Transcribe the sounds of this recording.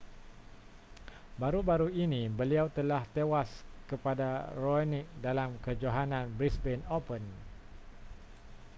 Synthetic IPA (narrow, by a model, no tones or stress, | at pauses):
baɾubaɾuinĩbəliawt̪əlaht̪ewaskəpadaronik̚dalamkəd͡ʒaɦanãnbɾisbɛnopən